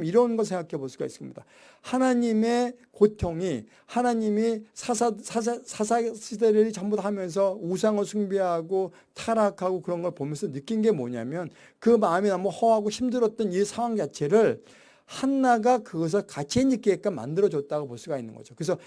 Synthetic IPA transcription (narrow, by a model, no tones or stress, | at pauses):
miɾʌnɡʌɭs̬ʰeŋɡakʰeboɭs͈uɡa̰is͈ɯmɲida | hanaɲime̞kotʰjoŋi | hanaɲimisʰasʰasʰasʰasʰideɾɯɾit͡ɕʌmbudahamjʌns̬ʰʌus̬ʰaŋɯɭsʰuŋbiɦaɡo | tʰaɾakʰaɡokɯɾʌnɡʌɭpomjʌnsʰʌnɯk͈inɡe̞mo̰ɲa̰mjʌn | kɯmaɯminʌmahʌɦaɡoçʰimdɯɾʌt̚t͈ʌnisʰaŋwaŋd͡ʑat͡ɕʰe̞ɾɯɭ | hanːaɡakɯɡʌs̬ʰɯɭkat͡ɕʰieɲik͈eek͈ama̰ndɯɾʌd͡ʑʌt̚t͈aɡopoɭs͈uɡainːɯ̰nɡʌ̰d͡ʑokɯɾes̬ʰʌ